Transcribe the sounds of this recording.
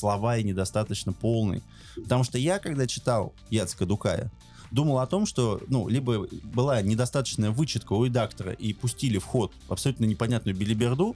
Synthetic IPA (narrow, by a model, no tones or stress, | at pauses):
slˠɐvaɪnʲɪd̪ɐst̪at̪ət͡ɕnəpo̞lˠnɨ̰j | pə̥t̪ɐmuʂt̪ojakaɡd̪at͡ɕɪ̥t̪alˠ | jat̪sɨ̥kəd̪ʊka̰jə̰ | d̪uməlˠɐt̪o̞mʂt̪o̞nṵlʲibəbɨlˠanʲɪd̪ɐst̪at̪ə̥t͡ɕnəjəvɨt͡ɕɪt̪̚kəʊɾʲɪd̪akt̪əɾə̰ʔipʊsʲtʲilʲɪfxo̞t̪̚ɐpsɐlʲut̪nənʲɪpɐnʲat̪nʊjʊbʲɪlʲɪbʲɪrd̪u